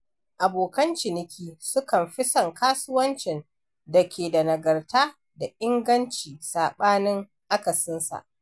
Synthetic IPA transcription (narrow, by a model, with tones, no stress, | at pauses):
ʔa˨boː˨kɐ˦nt͡ʃɪ˨nɪ˨kʲiː˦sʊ˦kɐ˨mɸɪ˦sɐ˨ŋkaː˦sʊ˦wɐ˦nt͡ʃɪ˨n | dɐ˨kʲʰeː˨dɐ˨nɐ˨ɡɐ˨rtaː˦ | da˨ʔɪ˦ŋɡɐ˦nt͡ʃiː˨saː˨ɓaː˦nɪ˦ŋ | ʔa˦kɐ˨sɪ˦nsa̰˨ʔ